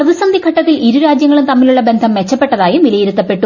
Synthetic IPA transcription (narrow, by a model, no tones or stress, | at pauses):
prɐʋisɐnd̪ʱikʰɐʈːɐt̪ːiliɾuɾaːd͡ʑjɐŋːɐɭumt̪ɐmːiluɭːɐbe̞nd̪ʱɐmːe̞t͡ɕːɐpːe̞ʈːɐðaːjumʋilɐjiɾut̪ːɐpːe̞ʈːu